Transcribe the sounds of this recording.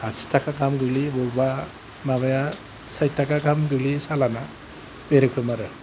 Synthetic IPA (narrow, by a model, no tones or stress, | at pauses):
asi̥tʰakakamɡɯlibɔba | mabaja | saj̚tːakakamɡɯlisalana | beɾɯkʰɯmaɾɯ